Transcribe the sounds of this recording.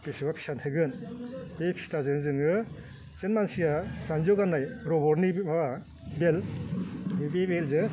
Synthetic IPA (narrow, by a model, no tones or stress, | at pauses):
pesɯbapʰi̥santʰɯɡɯnbepʰi̥stazɯnzɯŋɯ | senmansijasanzɔɡanajɾɔbɔɾniba | bel | bebelzɯ